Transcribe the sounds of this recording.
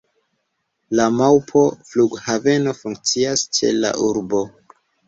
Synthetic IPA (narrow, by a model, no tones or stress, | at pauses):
lamawpʰo̞fluɡhave̞no̞fuŋk̚t͡siast͡ʃe̞̰la̰ʔuɾbo̞